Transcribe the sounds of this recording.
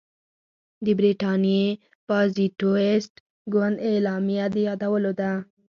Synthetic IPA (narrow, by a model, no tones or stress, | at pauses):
d̪əbɾiʈɑnje | pɑziʈoesʈ | ɡwand̪elɑmjad̪ejɑd̪awəlod̪a